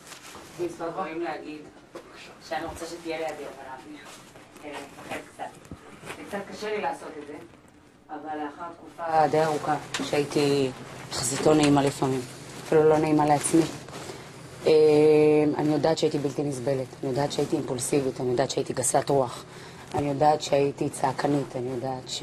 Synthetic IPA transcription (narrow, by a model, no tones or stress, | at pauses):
imsvatʁoimleaɡid̪ | ʃeaniʁo̞t͡saʃet̪ijeleadibalafiχefaχedkt͡sat̪zekt͡sat̪̚kaʃelilaːso̞t̪ed̪ze | avalaχaʁt̪kufade̞jaʁukaʃeait̪iχazito̞naimalifamimafilulo̞naimaleat͡smi | ema̰nijo̞daːt̪ʃeaitibiltinizbe̞letanijo̞d̪aːt̪ʃeaitiːmpulsivit̪anijo̞daːtʃeait̪iɡasatʁuaχ | anijodaːt̪ʃeajitit͡saːkʰanitʰanijo̞daːtʃ